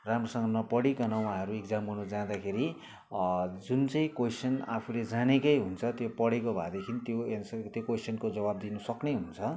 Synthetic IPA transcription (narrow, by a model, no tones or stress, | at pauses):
ramrʌsʌŋɡʌnʌpʌɽikanʌw̃aɦʌɾuekd͡zamunʌd͡zãd̪akʰeɾi | d͡zunt͡sʌĩkosʌna̰pʰuled͡zanekʌjɦunt͡sʰʌt̪jopʌɽekobʱa̰d̪ekʰinit̪joensʌt̪jokosʌnkod͡zʌbab̚d̪inʌsʌkneɦunt͡sʰʌ